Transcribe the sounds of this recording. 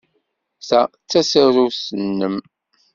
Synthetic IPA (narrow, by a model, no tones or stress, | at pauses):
sæt͡sːæsəɾusənːəm